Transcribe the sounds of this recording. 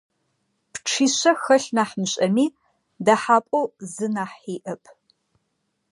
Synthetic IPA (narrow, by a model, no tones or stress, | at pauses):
pʈ͡ʂʰiːɕɐxɐɬnaːħmɕʼɐmiː | daħaːpʷʼowzɨnaːħiːʔɐpʼʰ